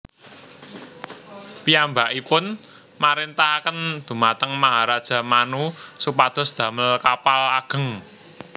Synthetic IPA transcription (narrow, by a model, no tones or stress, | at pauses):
piambaʔipʊn | maɾent̪ahkənd̪̥ṳmat̪əŋmaɦaɾad̥ʒ̥a̤manusupad̪̥ɔ̤sd̪̥ä̤məlkapalaɡ̥ə̤ŋ